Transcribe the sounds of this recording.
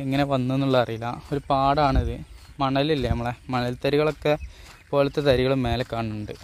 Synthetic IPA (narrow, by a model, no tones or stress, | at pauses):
eŋːɐneʋɐnːuenːuɭːɐɐrijilːɐo̞ɾupaːɽaːɳiðɨmɐɳɐlilːɐnɐmːɐɭemɐɳɐlt̪ɐɾiɣɐɭo̞kːe̞ | po̞ːlɐt̪ːet̪ɐɾiɣɐɭumːe̞ːlekːaːɳːuɳɖɨ